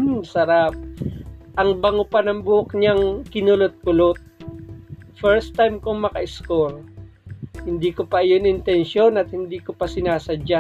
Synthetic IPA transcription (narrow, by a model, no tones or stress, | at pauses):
sɐɾap̚ | ʔɐŋbɐŋopɐnɐŋbʊʔok̚ɲaŋkɪnʊlot̪̚kʊlot̪̚ | fɛɹst̪ːajmkoŋmɐkɐʔɪskol | hɪnd̪iːkopɐʔɐjonɪnt̪ɛnʃo̞nɐt̪̚hɪnd̪iːkopɐsɪnaːsɐd͡ʒa